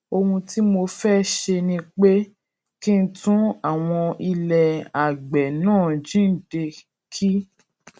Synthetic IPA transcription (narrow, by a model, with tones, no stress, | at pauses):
o˧hũ˧ti˦mo˧fɛ˦ʃe˧nĩ˧k͡pe˦ | kĩ˦n̩˦tũ˦a˦˨w̃ɔ̃˧i˧lɛ˨a˨ɡ͡bɛ˨nãː˦˨d͡ʒĩ˦˨de˧ | kʰi˦